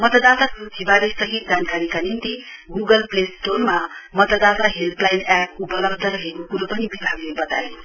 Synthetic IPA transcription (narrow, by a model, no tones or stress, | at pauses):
mʌt̪ʌd̪at̪asut̪ʰibaɾesʌɦit̪̚d͡zankaɾikanint̪iɡuɡʌlplesʈonmamʌt̪ʌd̪at̪aɦelplajnap̚upʌlʌbd̪ʱʌɾʌɦekokuɾopʌnibibʱaɡlebʌt̪ajo